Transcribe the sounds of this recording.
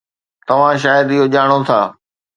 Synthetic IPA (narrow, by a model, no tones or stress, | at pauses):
t̪ɐʋ̤ãʃ̬aːjəd̪ɪɦoʄaːɽ̃ot̪ʰaː